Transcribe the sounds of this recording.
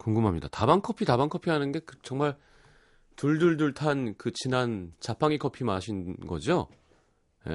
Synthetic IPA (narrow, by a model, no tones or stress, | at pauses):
koŋɡɯmɦamɲidatabaŋkʰʌpʰitabaŋkʰʌpʰiɦanɯnɡe̞kɯt͡ɕʌŋmaɭ | tuɭduɭduɭtʰankɯt͡ɕinant͡ɕapʰaŋikʰʌpʰimaɕʰinɡʌ̰d͡ʑo | je̞̰